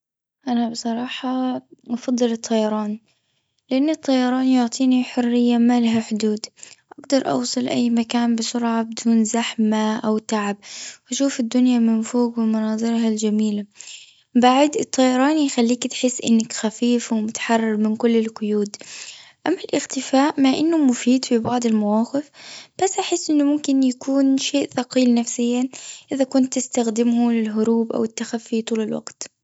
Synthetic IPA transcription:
ʔanabɨsˤɑɾˤɑːħɑʔɑfɑd̪ˤːɨlɨt̪ˤʰːɑjɑɾˤɑːn | lɪʔanːɨt̪ˤːɑjɑɾˤɑːnjʊʕt̪ˤiːniħʊrːɪjːamalaɦaħʊd̪uːd̪ʔaɡd̪ɑɾˤʔɑ̰wsˤɨlʔa̰jːmakaːnbɪsʊɾʕabɪd̪uːnzaħmaʔawt̪aʕab̚wʔaʃuːfɪd̪ːʊnjamɪnfoːɡwɪmɑnɑːd̪ˤɨɾɦald͡ʒamiːla | baʕd̪ɨt̪ˤʰːɑjɑɾˤɑːnixalːiːkt̪ħɪsːʔɪ̰nːakxafiːfawmʊt̪ḁħɑrˤːɑɾˤmɪnkʊlːɪlqʊjuːd̪ʔamːalʔɪɣt̪ɪfaːʔmaʔɪnːʊmʊfiːd̪fibɑʕd̪ˤɪlmawɑːqɪfb̥asːʔaħɪsːʔɪnːʊmʊmkɪnjakuːnʃeːʔθɑqiːlnafsɪjːaʔɪðakʊnt̪ːɪst̪axd̪ɪmhʊlɪlɦʊɾuːbʔa̰wɪt̪ːaxafːit̪ˤuːlɪlwa̰ɡt̪

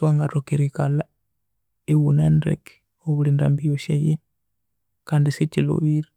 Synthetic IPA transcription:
waŋɡatokiɾikala | iwunandɛ̰ki̥ | oβulinda̰mbijɔʃajɛ | kandisit͡ʃilo̰βiɾa

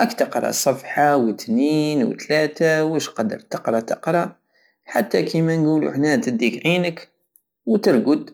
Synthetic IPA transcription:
ʔækt̪əqɾˤɑ̰sˤɑfħɑwət̪niːnw̰t̪læt̪awəʃqɑd̪ːə̰ɾˤt̪əqɾˤɑt̪əqɾˤɑ | ħat̪ːækimænɡulṵħnæt̪əd̪ikʕinək | wt̪əɾˤɡʊd̪

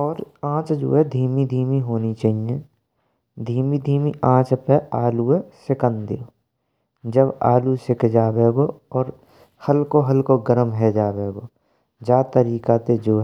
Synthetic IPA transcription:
ɔːɾãːt͡ʃd͡ʒo̰ːɦɛd̪ʱiːmid̪ʱiːmiɦoːnit͡ʃaːɦijẽ | d̪ʱiːmid̪ʱiːmiãːt͡ʃpɛaːluɛsɪkənd̪eo | d͡ʒəba̰ːlusɪkʰd͡ʒaːbeːɡoɔːɾ | həlkoɦəlkoɡəɾəmɦɛd͡ʒaːbeːɡoː | d͡ʒaːt̪əɾiːkat̪ed͡ʒoːɦɛ

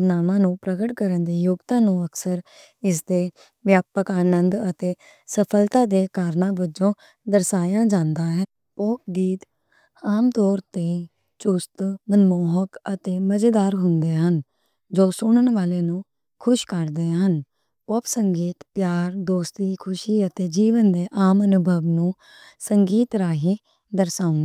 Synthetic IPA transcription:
naːmãːnũːpɾəɡəʈkəɾənd̪eːjʊɡt̪ãːnũːəksəɾ | ɪsd̪eː | ʋjaːpəkaːnənd̪ət̪eː | səpʰəlt̪ãːd̪eːkaːɾnãːbəd͡ʒõː | d̪əɾsaːjãːd͡ʒãːnd̪aːɦɛ | pɔːp̚ɡiːt̪ | aːmt̪ɔːɾt̪eː | t͡ʃʊst̪mənmɔːɦəkət̪eːməd͡ʒed̪aːɾɦʊnd̪eːɦən | d͡ʒoːsʊɳ̃əɳʋaːleːnũː | kʰʊʃkəɾd̪eːɦən | pɔːpsəŋɡiːt̪pjaːɾd̪oːst̪iːkʰʊʃiːət̪eːd͡ʒiːʋənd̪eːʔaːmənʊbʱəʋnũː | səŋɡiːt̪ɾaːɦiː | d̪əɾsãːnː

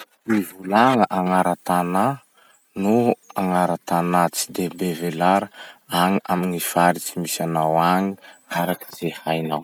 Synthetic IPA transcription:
ivulaŋəʔaŋaɾat̪ana | nuaŋaɾat̪anat͡si̥d̪ebevelaɾəaŋiaminifaɾit͡simisanawaŋiaɾakiz̥ehajnaw

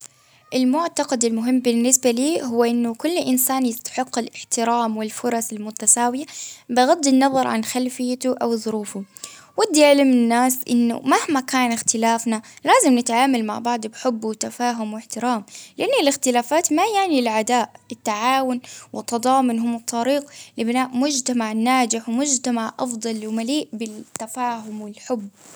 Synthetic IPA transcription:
ʔɪlmʊʕt̪ɑqɑd̪ɪlmʊɦɪmːbɪnːɪsbaliːɦʊwːʔɪnːʊkʊlːʔɪnsaːnjɪst̪ḁħɪqːɪlɪħt̪ɪɾaːmwɪlfʊɾˤɑsɪlmʊt̪asaːwɪjabɪɣad̪ːɪnːɑðˤɑɾˤʕa̰nxalfɪjːat̪uʔawðˤʊɾuːfʊ | wad̪ːjaʕlamɪnːaːsʔɪ̰nːʊ̰mahmakaːnɪxt̪ɪlaːfnalaːzɪmnɪt̪ʕaːmalma̰ʕbɑʕd̪ˤbħʊbːwɪt̪afaːɦʊmwɪħt̪ɪɾaːmlɪʔanːʊlɪxt̪ɪlaːfaːt̪majaʕnilʕad̪aːʔɪt̪ːaʕaːwʊnwʔɪt̪ːɑd̪ˤɑːmʊnɦʊmt̪ˤːɑɾiːqlɪbɪnaːʔmʊd͡ʒt̪amaʕnaːd͡ʒɪħwmʊd͡ʒt̪amaʕʔɑ̰fd̪ˤɑlwmaliːʔbɪt̪ːafaːɦʊmwɪlħʊbː

